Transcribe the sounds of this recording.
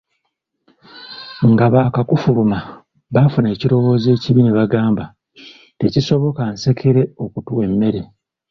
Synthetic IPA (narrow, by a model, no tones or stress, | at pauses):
ŋɡaβaːkakufuluma | βafune̞ːciɾo̞wo̞ːze̞ːciβineβaɡaːmba | te̞ciso̞βo̞kanse̞kʰeɾe̞o̞kutuwe̞mːe̞ɾe̞